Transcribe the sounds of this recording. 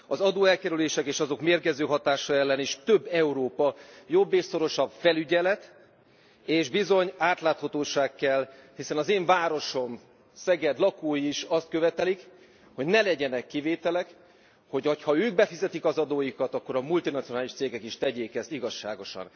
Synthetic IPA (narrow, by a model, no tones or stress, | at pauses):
ɒzɒd̪oːɛlkɛɾyleːʃɛkeːʃɒzo̞kmeːrɡɛzøːɦɒt̪aːʃɒɛlːɛniʃt̪øbːɛuɾoːpɒjo̞bːeːʃso̞ɾo̞ʃɒbfɛlyɟɛlɛt̪ | eːʒbizo̞ɲaːt̪laːt̪hɒt̪oːʃaːkːɛlhisɛnɒzeːɱvaːɾo̞ʃo̞m | sɛɡɛd̪lɒkoːjiiʃɒst̪̚kø̞vɛt̪ɛlik | ho̞ɟnɛlɛɟɛnɛkːiveːt̪ɛlɛk | ho̞cochɒøːɡbɛfizɛt̪ikɒzɒd̪oːjikɒt̪ɒkːo̞ɾɒmult̪inɒt̪sionaːliʃt̪seːɡɛkiʃt̪ɛɟeːkɛsiɡɒʃːa̰ːɡo̞ʃɒ̰n